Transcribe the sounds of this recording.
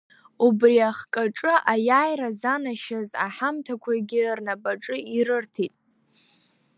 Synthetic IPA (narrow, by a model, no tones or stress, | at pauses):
ubriaχkʼaʈ͡ʂʼɨʔajajrazanaʃaza̰ħamtʰakʷʰaɡʲɪrnabʼaʈ͡ʂʼɨiɾɨrtʰitʼ